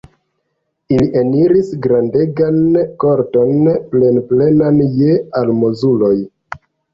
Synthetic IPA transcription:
iliʔeniɾisɡɾande̞ɡanko̞ɾto̞nple̞nple̞nanjealmozulo̞j

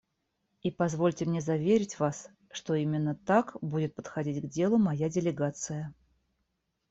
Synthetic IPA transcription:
ipɐzvo̞lʲtʲɪmnʲe̞zɐvʲeɾʲɪtʲvas | ʂt̪o̞imʲɪnːət̪akbudʲɪt̪̚pə̥t̪xɐdʲitʲɡdʲe̞lˠʊmɐjadʲɪlʲɪɡat̪sɨjə

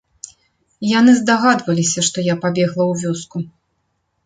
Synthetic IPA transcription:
jan̪ɨzd̪aɣad̪vɐlʲisʲɐʂt̪ɔjapabʲɛɣlˠɐwvʲɔsku

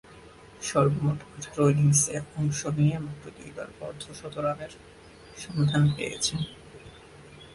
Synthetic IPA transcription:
ʃɔɾbomotoatʰɾojliŋseɔŋʃoniemotɾot̪iba̰ɾbɔɾd̪ʱoʃɔt̪oɾaneɾ | ʃɔmad̪ʱanpḛjḛt͡ɕʰen

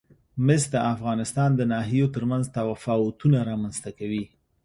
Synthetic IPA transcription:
mɪs̚d̪əʔafɣɑnɪst̪ɑnd̪ənɑɦijot̪əɾmanzt̪awafɑʊt̪unaɾɑmanz̥t̪akawi

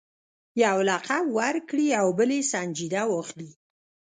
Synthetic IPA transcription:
jawlaqabwaɾkɽiawbəlesanʲd͡ʒid̪awoxli

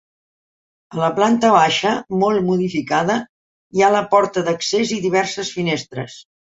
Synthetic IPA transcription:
ələplant̪əβ̞aʃəmolˠmuðifikaðə | ialəpɔɾt̪əðəkseziðiβ̞ɛrsəsfinest̪ɾə̰s

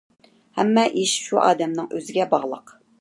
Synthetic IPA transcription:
hɛmːɛʔiʃʃuʔɑ̰ːd̪ɛmnɨŋʔøzɪɡʲɛbɑʁlˠə̰q

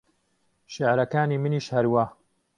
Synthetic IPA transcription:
ʃɪʕɾɐkaːniːmɨniːʃhɐɾwaː

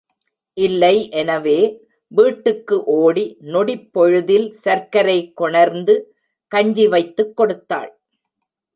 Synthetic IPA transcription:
ʔɪlːɐɪʔɛnɐʋeː | ʋiːʈːɯkːɯʔoːɽinɔɽipːɔɻɯðɪlsɐɾkɐɾɐɪkːɔɳɐɾnd̪ɯ | kɐɲd͡ʒiʋɐɪt̪ːɯkːɔɽɯt̪ːa̰ːɭ

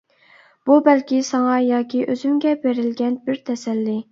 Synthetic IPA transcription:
b̥ubɛlkʲisɑŋɑjɑːkʲiʔøzymɡʲɛbeɾɪlɡʲɛnbɪɾt̪ʰɛsɛlːɪ

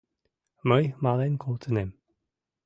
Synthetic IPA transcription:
məjmalɛnkʰɔlˠtʰənɪm

